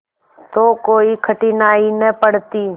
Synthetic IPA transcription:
t̪oːkoːiːkʰəʈiːnaːiːnəpəɽt̪iː

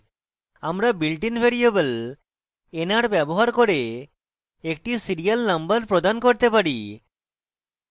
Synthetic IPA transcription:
amɾabilʈinbʱeɾiebəl | enaɾbɛboɦaɾkoɾe | ek̚ʈisiɾialnambəɾpɾod̪ankoɾt̪epaɾi

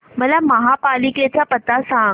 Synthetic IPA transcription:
məlaməɦapaliket͡ɕjapət̪asã

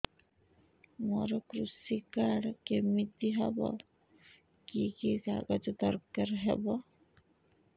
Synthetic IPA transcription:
mɔɾɔkɾusikaɽkemit̪iɦɔbɔ̰ | kikika̰ɡɔd͡ʒɔd̪ɔɾkaɾɦebɔ

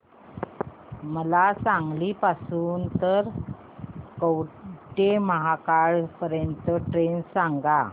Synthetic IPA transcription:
məlasãŋɡlipasuːnt̪əɾ | kəwʈeməɦakaɭpəɾjənt̪əʈɾensãŋɡa

